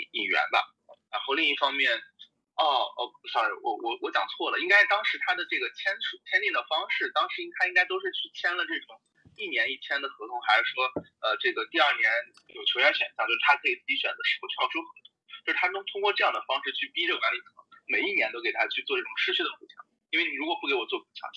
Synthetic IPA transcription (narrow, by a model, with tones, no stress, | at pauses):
i˨˩ŋɥɛ̰˧˥nbɐ̰˧˩ | ɻa̰˧˥nxo˥˧ʊli˥˧ŋi˥˩fɑ˥ŋmjɛ˥˩n | ɔ˥˩ə̰˧˩˧ɕɑ˧˩˧wɔ̰˧˩wɔ˧˩wɔ˧˥t͡ɕjɑ˨˩ŋt͡sʰwɔ˥˩lə˩i˥ŋka˥ɪʂt̪ɑ˥ŋʂɻ̩˧˥t̪ʰa˥d̪ə˨ʈ͡ʂɤ˥˩ɡə˩t͡ɕʰjɛ˥nʈ͡ʂʰu˨˩t͡ɕʰjɛ˥nt̪i˥˩d̪ə˩fɑ˥ŋʂɻ̩˥˩t̪ɑ˥ŋʂɻ̩˧˥i˥ŋt̪ʰa˥ɪi˥ŋka˥ɪt̪o˥ʊʂ̬ɻ̩˥˧t͡ɕʰy˥˩t͡ɕʰjɛ˥nlə˨˧ʈ͡ʂɤ˥˩ʈ͡ʂʊ˨˩˦ŋ | i˥˩njɛ˧˥ni˥˩t͡ɕʰjɛ˥nd̪ə˨xɤ˧˥t̪ʰʊ˥ŋxa˧ɪʂʂwɔ˥ə˧ʈ͡ʂɤ˥˩ɡə˩t̪i˥˧ɐ˞˥˩njɛ˧˥n | jo˨˩ʊt͡ɕʰjo˧˥jɛ˧˥ɕɥɛ̰˨˩nɕjŋt͡ɕo˥˧ʂt̪ʰa˥kʰɤ˧˥i˨˩t͡sɹ̩˥˩t͡ɕi˧˥ɕɥɛ˨˩nd͡zə˧˦ʂɻ̩˧˥˩u˥˩t͡ɕʰʊt͡ɕʰjo˥xɤ˧˥t̪ʰʊ˥ŋt͡ɕt͡ɕjo˥˧ʂ̩ɻt̪ʰa˥ʊ˥ŋt̪ʰʊ˥ŋkwɔ˥˧ʈ͡ʂɤ˥˧jɑ˥˩d̪ə˩fɑ˥ŋʂɻ̩˥˧t͡ɕʰy˥˩pi˥ɻɤ˥˩kwa˧˥nli˨˩kʰɤ˧˥ŋme˨˩ɪi˥˩njɛ˧˥nt̪o˥ʊke˨˩ɪa˥t͡ɕʰy˥˧t͡swɔ˥˧ʈ͡ʂɤ˥˩ʈ͡ʂʊ˨˩ŋʂɻ̩˥˧t͡ɕʰy˥˩d̪ə˩fu˧˥t͡ɕʰjɑ̰˧˩˦ŋ | i˥nwe˥˩ɪni˨˩ɻu˧˥kwɔ˨˩pu˥˩ke˧˥ɪwɔ˨˩t͡swɔ˥˩ku˨˩t͡ɕʰjɑ̰˧˥ŋ